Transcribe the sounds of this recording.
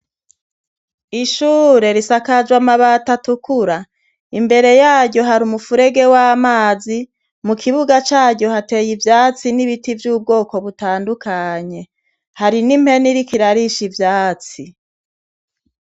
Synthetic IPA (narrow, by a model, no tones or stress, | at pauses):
iʃuːɾe̞ɾisakad͡ʒwamaβatatukuɾa | imbe̞ɾe̞jaːɟɟo̞ɦaɾumufuɾe̞ɡe̞waːmaːzi | mukʰiβuɡat͡ʃaːɟjo̞hate̞jivjaːt͡siniβitivjuːb̚ɡo̞ːko̞βutaːndukaɲe̞ | haɾinim̥he̞niɾikiɾaɾiʃivjaːt͡si